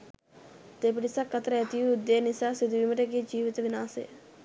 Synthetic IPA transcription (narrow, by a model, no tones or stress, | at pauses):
t̪eːpɪɽɪsakət̪ɾɛːt̪ijuʊd̪eːnɪsaːsɪd̪ʋiːməʈeːkeːd͡ʒiːʋɪt̪ʋɪnaːsḛː